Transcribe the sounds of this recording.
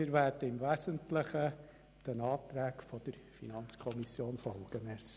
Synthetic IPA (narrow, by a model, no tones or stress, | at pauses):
ɪɾʋæːɾdəɪmvæsəntləχə | d̥ənɑːt̪ɾæːkfɔd̥əɾ | fḭnɑnt͡skʰɔmisjoːnfɔlɡ̥əmɛs